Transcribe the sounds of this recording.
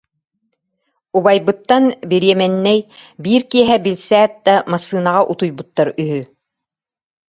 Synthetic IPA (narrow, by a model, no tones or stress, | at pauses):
uβajbɯ̆t̪ːanbiɾijɛmɛnːɛjbiːɾkiɛɦɛbilʲsæːt̪̚d̪amasɯːnaʁaʔut̪ujbut̪ːaɾyɦy